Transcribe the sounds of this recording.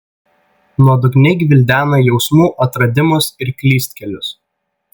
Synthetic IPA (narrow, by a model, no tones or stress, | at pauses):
nuɔd̪ʊɡnʲɛɪɡʲʋʲɪlʲd̪ʲæːnɐjɛʊsmuːʔɐt̪ɾɐd̪ʲɪmʊsɪɾkʲlʲiːsʲt̪ʲkʲɛlʲʊs